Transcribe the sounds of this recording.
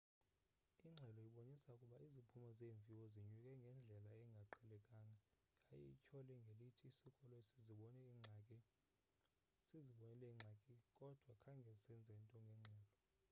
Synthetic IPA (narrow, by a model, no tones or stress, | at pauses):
iŋ͡ǁʱɛlɔiɓonisaukʼuɓaizipʰumɔzeːɱvʱiwɔziɲwukʼɛŋɡʱɛnd͡ɮʱɛlaɛŋɡʱaǃʰɛlɛkʼaŋa | kʼajɛ̰ḭt͡ʃʰɔlɛŋɡʱelitʰiːsikʼɔlɔesiziɓɔnɛiŋ͡ǀʱakʼɛ | siziɓɔnɛlɛŋ͡ǁʱakʼikʼɔd̥ʱwakʰaŋɡʱɛisɛnd͡zʱɛntʼɔŋɡʱɛŋ͡ǁʱɛːlɔ